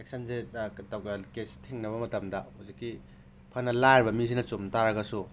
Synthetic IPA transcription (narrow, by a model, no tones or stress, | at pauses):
ek̚sɐnzetawɡakestʰiŋnɐβɐmɐtɐmdɐhozikːi | pʰɐnːɐlajɾbɐmis̬inɐt͡ʃomtaɾɐɡɐsu